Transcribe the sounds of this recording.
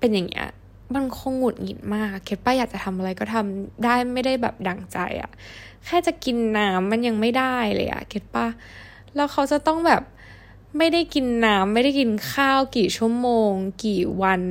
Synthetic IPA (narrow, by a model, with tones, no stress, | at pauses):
pe˧nja˨˩ŋːḭ˦˥ɐ̰˧˩ | ma˧nkʰo˧ŋːu˨˩t̪̚ŋḭ˧nmaː˥˩kːeː˦˥t̪̚paː˥ja˨˩k̚t͡ɕa˨˩t̪ʰa˧mʔa˧ɾa˧jkɔ˥˩t̪ʰa˧mdaː˥˩jma˥˩jda˥˩jbɛ̰ː˨˩p̚da˨˩ŋt͡ɕa̰˧jʔa̰˨˩kʰɛː˥˩t͡ɕa˨˩ki˧nːaː˧˦˥mːa˧nja˧ŋma˥˩jda˥˩jlɤ̰ː˧jʔa̰˨˩ke˦˥t̪̚paː˥˩ | lɛː˦˥wkʰa˦˥wt͡ɕa˨˩t̪ɔ˥˩ŋbɛː˨˩p̚ | ma˥˩jda˥˩jki˧nːaː˦˧˥mːa˥˩jɾa˥˩jki˧nkʰaː˥˩wkiː˨˩t͡ɕʰu˥˩əmoː˧ŋkiː˨˩wa˧n